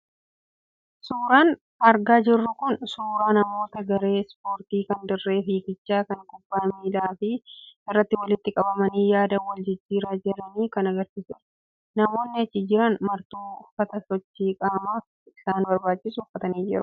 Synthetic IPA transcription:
suːɾaːn | ɐɾɡaːd͡ʒɪrːʊkʊnsuːɾaːnɐmo̞ːt̪ɐɡɐɾe̞ːspo̞ːɾt̪iːkɐnd̪ɪrːe̞ːfiːkɪt͡ʃːaːkɐŋkʊbːaːmiːd̪aːfɪɪrːɐt̪ːɪwɐlɪt̪ːɪkʼɐbɐmɐniːjaːd̪ɐwɐld͡ʒɪd͡ʒːiːɾaːd͡ʒɪɾɐniːkɐnɐɡɐɾsɪsʊ | nɐmo̞ːnːɪɐt͡ʃːɪd͡ʒɪɾɐnmɐɾt̪uːʊfɐt̪ɐsɔt͡ʃːiːkʼaːmaːf | ɪsaːnbɐɾbaːt͡ʃːɪsʊfːɐt̪ɐniːd͡ʒɪɾʊ̥

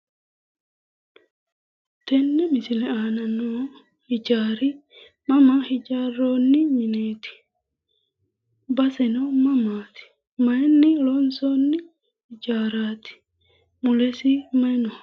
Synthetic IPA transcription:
t̪ɛnːɛmɪsɪlɛaːnɐno | hɪd͡ʒaːɾɪ | mɐmahɪd͡ʒaːrːoːnːɪmɪneːt̪ɪ̥ | bɐsɛnɐmɐmaːt̪ɪ̥ | mɐjnːɪlɔnsoːnːɪ | hɪd͡ʒaːɾaːt̪ɪ̥ | mʊlɛsɪmɐjnɔ

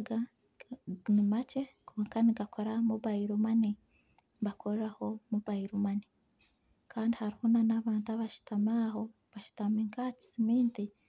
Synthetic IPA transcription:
ɡa | nimace̞kʰoːŋkaniɡakʰoɾamuβaiɾumani | βakʰoɾɾaho̞muβaiɾumani | kaːndihaɾihonanaːβaːntaβaʃu̥tamaːɦo | βaʃu̥tamiŋkaci̥simiːnti

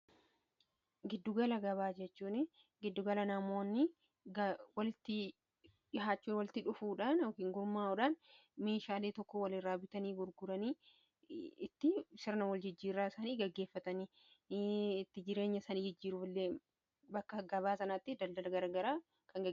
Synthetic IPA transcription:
ɡɪd̪ːʊɡɐlɐɡɐβaːd͡ʒɛt͡ʃːuːnɪ | ɡɪd̪ːʊɡɐlɐnɐmo̞ːnːɪ | ɡɐwɐlɪt̪ːɪ | ɪɦaːt͡ʃːuːnwɐlɪt̪ɪᶑʊfuːᶑaːnɔkiːŋɡʊɾmaːʊᶑaːnme̞ːʃaːleːt̪ɔkːɔwɐlɪrːaːbɪt̪ɐniːbʊɾɡʊɾɐniː | ɪt̪ːɪsɪɾnɐwɐld͡ʒɪd͡ʒːiːrːaːɪsaːniːɡɐɡːe̞ːfːɐt̪ɐniː | ɪt̪ːɪd͡ʒɪɾe̞ːɲːɐsaːniːd͡ʒɪd͡ʒːiːɾʊflːeː | bɐkːɐɡɐβaːsɐnat̪ːɪd̪ɐld̪ɐlɐɡɐɾɐɡɐɾaː | kʰɐŋɡɐ

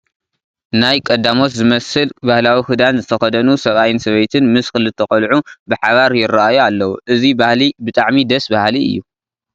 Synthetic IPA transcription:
najkʼɐd̪ːamo̞t̪zɨmɐsɨlbahlawihɨd̪anzɨt̪ʰɐxɐd̪ɐnusɐβajɪnsɐβɐjt̪ʰɨnmɨskɨlɨt̪ʰɐkʼɐlʕubɨħaβaɾjɪraajualːɐwuʔɨzibahlibɨt̪ʼaʕmid̪ɐsbahliɨ̰jːu

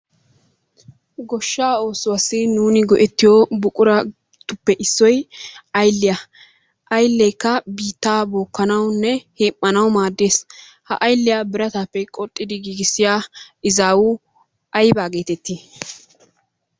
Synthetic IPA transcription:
ɡɔʃːaːo̞ːsʊwɐsːɪnuːnɪɡɔʔɛt̪ːɪjobʊkʼʊɾɐ | t̪ʊpːɛʔɪsːɔjɐjlːɪja | ʔɐjlːɛjkːɐbiːt̪ːaːboːkːɐnɐwnːɛheːmʼːɐnɐwmaːd̪ːe̞ːs | hɐʔɐjlːɪjabɪɾɐt̪aːpːɛkʼɔt̪ʼːɪd̪ɪɡiːɡɪsːɪjaːɪzaːwʊ | ʔɐjbaːɡe̞ːt̪ɛt̪ːi

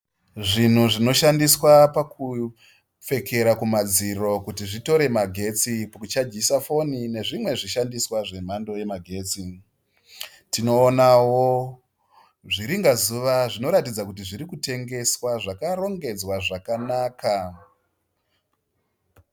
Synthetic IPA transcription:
ʐin̤uʐino̞ʃandiswapaku | p͡fe̞kʰe̞ɾakumad͡ziro̞kutiʐito̞ɾe̞maɡʱe̞t͡sipakut͡ʃad͡ʒisafo̞nine̞ʐimwe̞ʐiʃandiswaʐe̞m̤ando̞je̞maɡʱe̞ːt͡si | tino̞ːnawo | ʐiɾiŋɡazuʋaʐino̞ɾatid͡zakutiʐiɾikute̞ŋɡe̞swaʐakaɾo̞ŋɡe̞d͡zwaʐakanaːka

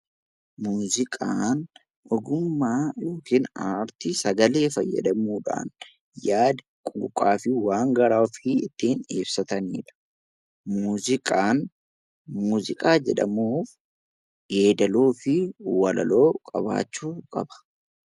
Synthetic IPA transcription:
muːzɪkʼaːn | ʔɔɡʊmːaːjoːkiːnaːɾt̪ɪsɐɡɐle̞ːfɐjːɐ̰d̪ɐmuːᶑa̰ːn | jaːd̪ | kʼuːkʼaːfɪwaːŋɡɐɾaːfɪɪt̪ːiːnḛːb̥sɐt̪ɐniːᶑɐ̥ | muːzɪkʼaːn | muːzɪkʼaːd͡ʒɛᶑɐmuːf | ɡeːd̪ɐloːfɪwɐlɐ̰lo̞ːkʼɐ̰ba̰ːt͡ʃːuːkʼɐ̰bɐ̥

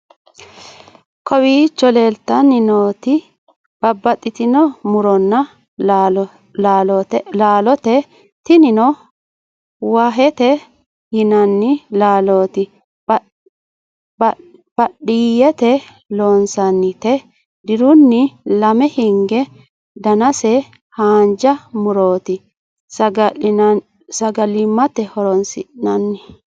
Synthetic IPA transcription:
kʰɔwiːt͡ʃːɔleːlt̪ːɐnɪnoːt̪ɪ | b̥ɐbːɐt̪ʼːɪt̪ɪnɔmʊɾɔnːɐ | ɔt̪laːlɔt̪ɛ | t̪ɪnɪnɔ | waːɦɛt̪ɛ | jɪnɐnːɪlaːloːt̪ɪ | b | b̥ɐɗiːjɛt̪ɛ | loːnsɐnːɪt̪ɛ | d̪ɪɾʊnːɪlɐmɛhɪŋɡɛ | d̪ɐnɐsɛ | haːnd͡ʒɐmʊɾoːt̪ɪ | sɐɡɐ | sɐɡɐlɪmːɐt̪ɛhɔɾɔnsɪ̰ʔnɐnːɪ

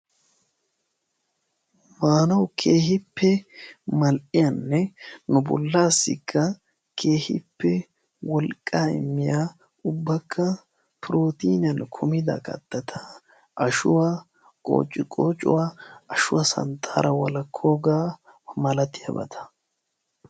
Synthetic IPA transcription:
maːnɐwkʰeːhɪpːɛmɐlʔɪjɐnːɛnʊbɔ̰lːaːsːɪ̰kʰːɐ | kʰe̞ːhɪpːɛ | wɔlkʼːaːɪ̰mːɪjaː | ʊbːɐkʰːɐ | pɪɾo̞ːt̪iːnɪɐnkʰʊmɪd̪ɐ̰kʼɐ̰t̪ːɐt̪ʰa | ʔɐʃʊwaː | kʼo̞̰ːt͡ʃʼːɪkʼoːt͡ʃʼʊ̰waːɐʃʊwɐsɐ̰nt̪ʰaːɾɐwɐlɐkʰːoːɡaː | mɐlɐt̪ɪjɐ̰bɐ̰t̪ʰɐ̥

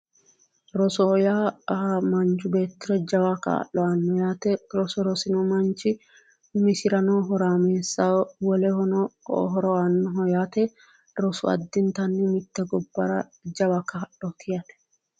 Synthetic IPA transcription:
ɾɔsɔɔjaːmɐnt͡ʃʊbe̞ːt̪ːɪɾɔd͡ʒɐwaka̰ːʔːɔɐnːɔjaːt̪ɛɾɔsɔɾɔsɪnɔmɐnt͡ʃːɪ | mɪsɪɾɐnoːɦɔɾaːmeːsːawɔlɛhɔnɔɦɔɾɔanːɔɦɔjaːt̪ɛ | ɾɔsʊɐ̰d̪ːɪnt̪ɐnːɪmɪt̪ːɛɡɔbːɐɾɐd͡ʒɐwakɐːɗɔt̪ʰɪjɐt̪ɛ̥

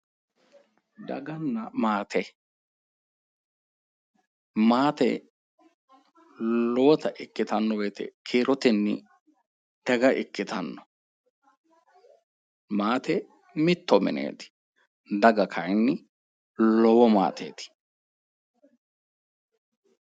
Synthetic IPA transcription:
d̪ɐ̰ɡɐnːɐmaːt̪ɛ | maːt̪ɛ̰ | lɔwɔt̪ɐʔɪkːɪt̪ɐnːɔbeːt̪ɛ̰kʰeːɾɔt̪ɛnːɪ | d̪̥ɐɡɐʔɪkːɪt̪ɐnːɔ | maːt̪ɛ | mɪt̪ːɔmɪ̰nḛːt̪ɪ̥ | d̪ɐɡɐkʰɐjnːɪ | lɔwɔma̰ːt̪ḛːt̪ɪ̥

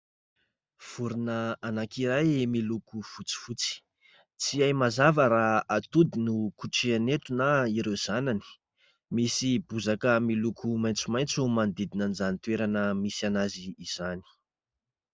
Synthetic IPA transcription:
v̥uɾunəanakiɾajmilukufut͡si̥fut͡si̥ | t͡siajmazavəɾaat̪ud̪inukuʈ͡ʂianet̪unaiɾewz̥anani̥ | misibuzakəmilukʰumajnt͡sumajnt͡sumand̪id̪inanizanit̪weɾanəmisianaziːz̥ani̥

